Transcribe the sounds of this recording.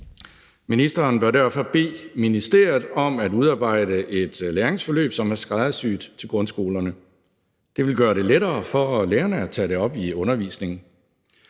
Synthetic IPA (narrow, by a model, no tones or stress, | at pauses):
minisd̥ɐːnb̥æɐdæɐfɒ̽b̥e̝̰ːminisd̥e̝ɐ̰jð̩ˠɒ̽mæd̥uðˠɑ̈ːb̥ɑ̈ɪ̰d̥əʔe̝d̥læːɐʁe̝ŋsfɒ̽lø̰ːb̥sɒ̽mæɐsɡ̥ʁɑð̩ˠsy̰ːd̥t͡sʰe̝lɡʁɔ̽nsɡ̥o̝̰ːlɐnə | d̥e̝ʋe̝lɡ̥ɶːɐɾe̝leɾɐːfɒleːɐnəæt͡sʰɛ̰ɾ̥e̝ɒ̽b̥iɔ̽nɐʋḭːsne̝ŋn̩